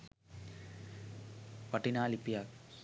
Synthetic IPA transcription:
pɐʈinaːlipijaːk

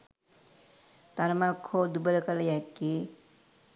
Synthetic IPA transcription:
t̪aɾmakʰːod̪ubəlkalajakːi

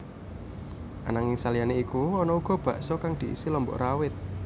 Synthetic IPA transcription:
ʔa̰naŋɪŋsalijaneikuɔnɔuɡ̥ɔ̤b̥ä̤ʔsɔkaŋd̪̥i̤ʔḭsilɔmbɔ̰ʔrawɪt̪̚

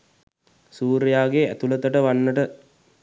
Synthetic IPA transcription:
suːɾjaːɡeæ̰t̪ulət̪əʈəʋanːəʈə

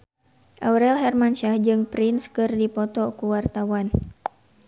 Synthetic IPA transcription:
ʔauɾɛlɦɛrmanʃahd͡ʒɨŋpɾɪnskɨrdipɔt̪ɔkuwart̪awan

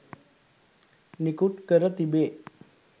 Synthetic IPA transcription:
nikuʈkəɾət̪ibeː

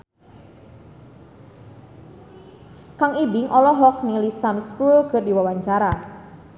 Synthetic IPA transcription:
kaŋibɪŋʔɔlɔɦɔk̚niŋlisamskulkərdiwawaɲt͡ʃaɾa

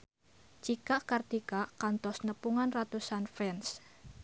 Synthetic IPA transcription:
t͡ʃikaʔkart̪ikaʔkant̪ɔsnəpuŋanrat̪usanfɛns

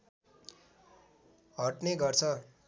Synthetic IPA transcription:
ɦʌʈneɡʌrt͡sʰʌ

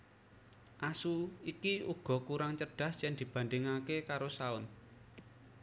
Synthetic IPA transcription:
ʔasuikiuɡ̥ɔ̤kuɾaŋt͡ʃəɖ̥ä̤st͡ʃɛnd̪̥i̤b̥a̤nd̪ɪŋakekaɾosaʊn

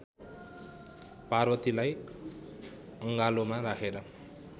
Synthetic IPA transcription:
parwʌt̪ilaj | ʌŋɡalomarakʰeɾʌ

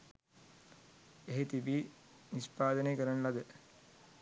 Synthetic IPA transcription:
eɦet̪ibi | nispaːd̪ɐnekɐɾɐɳlɐd̪e

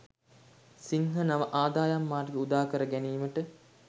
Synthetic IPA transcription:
siŋɦənaməʔaːd̪aːjamːaːrɡeud̪aːkəɾəɡæniːməʈə

